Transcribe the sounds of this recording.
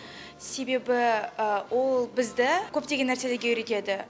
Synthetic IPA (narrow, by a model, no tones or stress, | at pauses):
se̞be̞bɪwolˠbɪzd̪ɪkʲʰɵp̚t̪eɡʲenːæɾse̞leɡʲe̞jʏɾet̪e̞d̪ɪ